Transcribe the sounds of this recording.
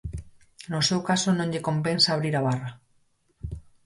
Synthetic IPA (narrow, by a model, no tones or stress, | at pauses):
nosewkasonõɲʎeko̞mpensaːβ̞ɾiɾaβ̞ara